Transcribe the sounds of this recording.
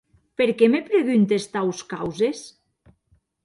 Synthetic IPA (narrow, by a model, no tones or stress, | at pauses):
peɾkemepɾeɣynt̪est̪awskawzes